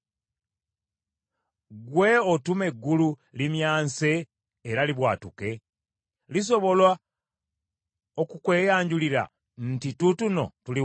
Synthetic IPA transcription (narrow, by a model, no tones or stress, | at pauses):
ɡwe̞otume̞ɡːululimjaːnse̞ː | ɾaliβwaːtuke̞ | lis̬o̞βo̞lwa | okukwe̞ːjaːɲɟuliɾa̰ | n̩titutuno̞̰tuli